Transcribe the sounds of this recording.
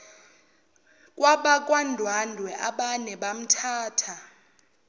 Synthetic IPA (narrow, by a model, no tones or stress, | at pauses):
kʼwaɓak̬ʼwandʱwandʱwɛʔaɓanɛɓam̩tʰaːtʰa